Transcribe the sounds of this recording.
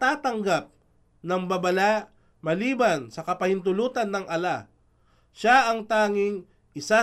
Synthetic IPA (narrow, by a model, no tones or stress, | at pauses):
t̪aːt̪ɐŋɡap̚ | nɐŋbɐbɐlaʔ | mɐliːbansɐkɐpɐhɪnt̪ʊluːt̪ɐnːɐŋʔɐla | ʃaɐŋt̪aːŋɪŋ | ʔɪsa